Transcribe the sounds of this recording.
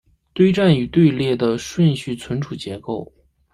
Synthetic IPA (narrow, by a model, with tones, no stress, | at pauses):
t̪we˥ɪʈ͡ʂa˥˩ny˨˩t̪we˥˧ɪljɛ˥˩d̪ə˩ʂwə˥˧nɕy˥˩t͡sʰwə˧˥nʈ͡ʂʰu˨˩t͡ɕjɛ˧˥ko˥˩ʊ